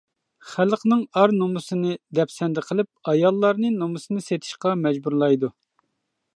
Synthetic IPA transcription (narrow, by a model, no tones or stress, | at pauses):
χælqnɨŋɑɾnomusɨnɨd̪ɛpsɛnd̪ɪqʰəlˠɪp̚ɑjɑlˠːɑɾnɨnomɨsɨnɨset̪ʰɪ̥ʃqɑmɛd͡ʒbuɾlˠɑjd̪u